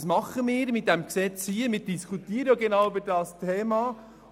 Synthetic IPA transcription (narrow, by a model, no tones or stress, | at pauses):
smɑχəmɪːɾmɪt̚d̥æmksɛt͡shiːəmɪːɾd̥iskʰutiːəɾəjoɡɛnɑwybəɾdɑːstʰeːmɑ